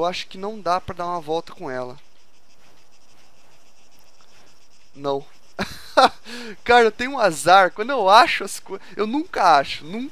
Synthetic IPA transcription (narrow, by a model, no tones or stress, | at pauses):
waʃʊ̥kɪnɐ̃w̃d̪apɾɐd̪aɾũmɐvɔwt̪ɐ̥kõɛlɐ | nɐ̃w̃ | kaɾɐewt̪ẽjʊũazaɾkwɐ̃nd̪ʊewaʃʊɛsɐ̥ko | ewnũkɐaʃʊnũk